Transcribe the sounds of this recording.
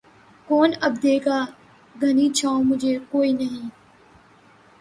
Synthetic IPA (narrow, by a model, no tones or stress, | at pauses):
koːnəbd̪eːkaː | ɡʱəniːt͡ʃʰãːomʊd͡ʒʱeːkoːiːnəɦĩː